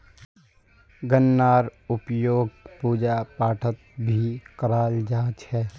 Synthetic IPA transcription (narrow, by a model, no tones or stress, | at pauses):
ɡənːaːɾʊpjoːɡ̚puːd͡ʒapaːʈʰət̪̚bʱikəɾaːld͡ʒaːt͡ʃhɛː